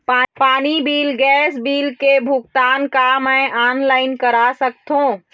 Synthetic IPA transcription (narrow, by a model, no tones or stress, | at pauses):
papaːnibiːlɡɛːsbiːlkebʱʊkt̪aːnkamɛ̃ʔaːnlaːɪnkəɾasəkt̪ɦũː